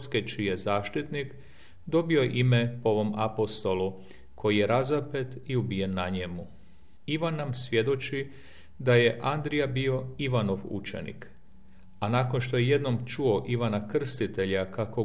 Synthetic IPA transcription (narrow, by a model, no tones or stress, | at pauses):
sket͡ʃijezaːʃt̪it̪nik | d̪o̞bio̞ʔime̞po̞ʋo̞mapo̞st̪o̞lˠu | kʰo̞jije̞ɾazape̞t̪iubije̞nːaɲemu | iʋanːamsʋje̞d̪o̞t͡ʃi | d̪aje̞ʔand̪ɾijabio̞iʋano̞ʋṵt͡ʃe̞̰nḭk | anaːko̞nʃt̪o̞jeje̞d̪no̞mt͡ʃuo̞ʔiʋanakr̩st̪it̪e̞ʎakako̞